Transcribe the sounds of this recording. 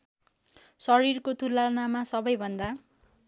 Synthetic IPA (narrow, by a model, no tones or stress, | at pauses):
sʌɾirkot̪ʰulːanamasʌbʌjbʱʌnd̪a